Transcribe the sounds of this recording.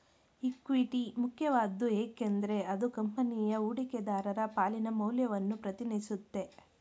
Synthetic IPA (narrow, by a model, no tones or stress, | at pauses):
ikʋiʈimukʰjɐʋaːd̪ːueːkend̪ɐɾe̞ɐd̪ukɐmpɐnijɐuːɽiked̪aːɾɐɾɐpaːlinɐmɐwljɐʋɐnːupɾɐt̪inisut̪ːe̞